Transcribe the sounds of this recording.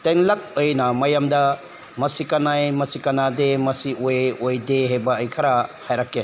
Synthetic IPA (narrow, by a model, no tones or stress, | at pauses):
teŋlɐk̚ojnɐmɐjamdɐ | mɐsikɐnajmɐsikɐnademɐsiʔojojdeɦebɐːjkʰɐɾahajɾakːe